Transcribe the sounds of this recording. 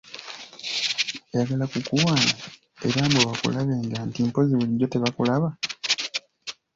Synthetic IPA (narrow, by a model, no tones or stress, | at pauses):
ejaɡalakukuwaːna | e̞ɾaːmboβakṵlaβe̞ːŋɡantimpo̞ziβuliɟːo̞te̞βakulaβa